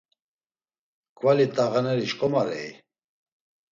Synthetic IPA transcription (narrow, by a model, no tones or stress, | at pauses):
kʰʼvalit̪ʼaɣanɛɾiʃkʼɔmaɾɛ̰i